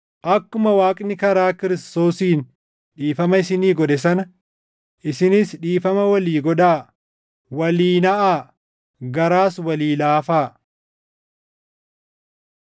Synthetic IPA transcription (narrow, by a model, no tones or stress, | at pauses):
ʔɐkːʊmɐwaːkʼnɪkɐɾaːkɪɾɪst̪o̞ːsiːn | ᶑiːfɐmɐɪsɪniːɡɔᶑɛs̬ɐnɐ | ʔɪsɪnɪsᶑiːfɐmɐwɐliːɡɔᶑaː | wɐliːnɐʔaː | ɡɐɾaːswɐliːlaːfaː